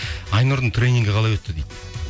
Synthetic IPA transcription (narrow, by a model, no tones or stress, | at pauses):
ɑjnuɾd̪əɴt̪ʰɾʲe̞nʲiŋɡʲɪqʰɑlˠɑjwɵt̪ːɪd̪ejd̪